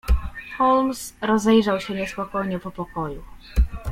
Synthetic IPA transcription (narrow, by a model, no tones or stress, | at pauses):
xɔlmsɾɔzɛjʐawɕɛɲɛspɔkɔjɲɛpɔpɔkɔju